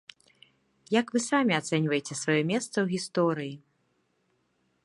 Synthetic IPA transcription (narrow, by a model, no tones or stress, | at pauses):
jakvɨsamʲiat̪sɛnʲvɐjet͡sʲɛsvajɔmʲɛst̪sɐwɣʲist̪ɔɾɨji